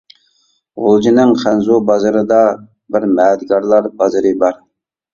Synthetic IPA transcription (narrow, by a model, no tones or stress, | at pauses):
ʁolˠd͡ʒinɪŋχænzubɑzɨɾɨd̪ɑ | bɪɾmɛːd̪ɡɑɾlˠɑɾbɑzɨɾɨbɑɾ